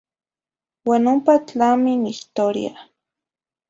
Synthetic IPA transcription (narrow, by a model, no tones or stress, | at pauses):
wanompat͡ɬaminiht̪oɾj̰a̰